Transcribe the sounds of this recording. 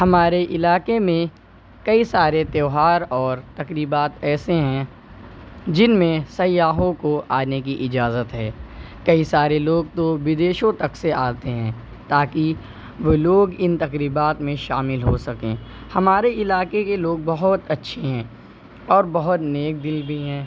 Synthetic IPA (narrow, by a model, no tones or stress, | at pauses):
hɐmaːɾeʔɪlaːkemẽ | kɐisaːɾet̪eːɦaːɾɔːɾt̪ɐkɾiːbaːt̪ɛːseɦɛ̃ | d͡ʒɪnmẽsɐjːaːɦõkoʔaːnekiʔɪd͡ʒaːzət̪ɦɛːkɐisaːɾeloːɡ̚t̪oʋɪd̪eːʃõt̪ɐkseaːt̪eɦɛ̃ː | t̪aːki | ʋoloːɡɪ̃nt̪ɐkɾiːbaːt̪mẽʃaːmɪlɦosɐkḛ̃ː | hɐmaːɾeɪlaːkekeloːɡ̚bɐɦʊt̪ɐtːʃʰeɦɛ̃ː | ɔːɾbɐɦʊt̪neːk̚d̪ɪlbʱiɦɛ̃ː